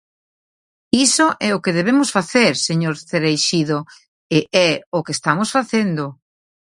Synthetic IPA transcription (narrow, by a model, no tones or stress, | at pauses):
isoʔɛokeðeβemʊsfaθeɾseɲoɾθeɾejʃiðo | eʔɛʊkest̪amosfaθend̪o